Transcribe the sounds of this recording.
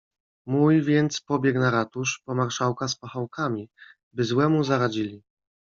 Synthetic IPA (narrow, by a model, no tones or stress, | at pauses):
mujvʲjɛnt̪spɔbʲjɛknaɾat̪uʂpɔmaɾʂawkaspaxawkamʲi | bɘzwɛmuzaɾad͡ʑilʲi